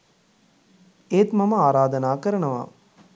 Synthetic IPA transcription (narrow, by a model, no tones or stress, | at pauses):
eːt̪mɐmɐaːɾaːd̪ɐnaːkɐɾɐɳɐʋa̰ː